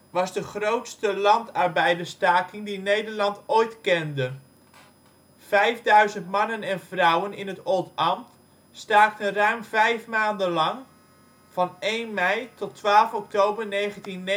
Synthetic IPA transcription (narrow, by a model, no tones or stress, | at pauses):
ʋɑzdəχrowtstəlɑntɑɹbɛjdəstaːkɪŋdinejdəɹlɑntojtkɛndə | v̥ɛjvdœɥzəntmɑnənɛnvrʌwənɪnɦətɔlˠtɑmt | staːk̚tənrœɥmvɛjfmaːndənlɑŋ | v̥ɑnejnmɛjtɔtʋaːlˠfɔk̚towbəɹnejχəntinː